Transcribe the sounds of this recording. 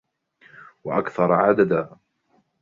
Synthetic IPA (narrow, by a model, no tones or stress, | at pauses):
waʔakθɑɾˤʕad̪ad̪aː